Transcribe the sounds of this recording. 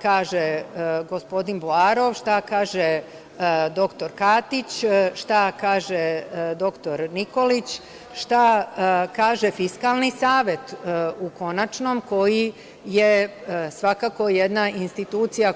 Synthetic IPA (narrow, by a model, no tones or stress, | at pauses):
kaːʒeɡo̞spo̞d̪inboaɾo̞ʋʃt̪akaːʒe | d̪o̞kt̪o̞ɾkaːt̪it͡ɕʃt̪akaːʒed̪o̞kt̪o̞ɾniko̞lit͡ɕ | ʃt̪akaːʒefiskalˠnisaːʋje̞t̪uko̞nat͡ʃno̞mko̞ji | jesʋakako̞jed̪naʔinst̪it̪uːt̪sija